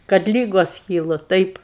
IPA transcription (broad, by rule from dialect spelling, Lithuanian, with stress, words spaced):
kɐt ˈlʲiːɡoːs ˈkʲiːlˠʊ ˈtɐɪp